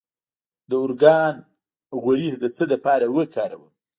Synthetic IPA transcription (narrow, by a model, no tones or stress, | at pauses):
d̪əʊɾɡɑn | ɣwaɽihd̪ət͡səd̪əpɑɾawəkɑɾawəl